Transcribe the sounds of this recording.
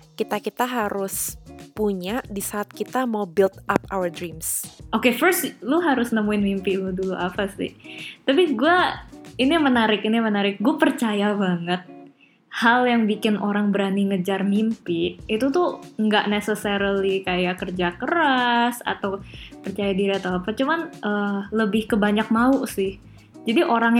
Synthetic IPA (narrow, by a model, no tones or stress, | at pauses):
kit̪akit̪aɦaɾʊspuɲadisaːt̪̚kit̪amawbɪlt̪ap̚a̰wərdɾimsʔokefərst̪lʊɦaɾʊsnəmuɪnmimpɪlʊduluʔapasɪ̰ht̪apiɡuainimənaɾɪkinimənaɾɪk̚ɡuapərt͡ʃajabaŋət̪̚ | haljaŋbikɪnʔoɾaŋbəɾaniŋəd͡ʒarmimpɪit̪ut̪ʊŋɡaʔnesəsəɾəlikajakərd͡ʒakəɾasa̰t̪awpərt͡ʃajadiɾiat̪awapat͡ʃumanʔələbɪhkəbaɲak̚mausɪh | d͡ʒadiʔoɾaŋj